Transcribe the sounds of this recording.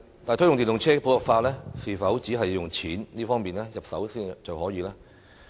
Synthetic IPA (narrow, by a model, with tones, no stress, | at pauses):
tt̪aː˨t̪ʰjʊ˨ŋt̪iː˨nlʊ˨˩ŋt͡sʰɛː˥˧pʰo˨˧wlɔ˨k̚faː˧lɛː˥siː˨fɐ˨˥wt͡siː˨˥ɦɐ˨jːʊ˨˩ŋt͡sʰiː˨˥nliː˥fɔː˥ŋmiː˨˩nlɛː˥jɐ˨p̚sɐ˨˥wsiː˥t͡sɐ˨whɔː˨˥jiː˨˧laː˥